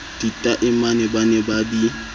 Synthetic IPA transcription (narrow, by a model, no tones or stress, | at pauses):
d̥itʼaʔɪmanɛbanɛbadi